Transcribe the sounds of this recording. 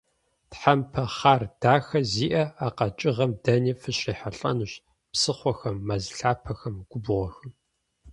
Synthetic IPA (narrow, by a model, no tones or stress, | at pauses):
tħampʰɐχaːrd̥aːxɐziːʔɐaːqɐt͡ʃʼɪʁɐmdɐniːfɨɕriːħaɬʼɐ̰nuɕ | psɨχʷɔxɐmːɐzɬaːpʰɐxɐmɡ̥ʷʊbʊʁʷɔxɨn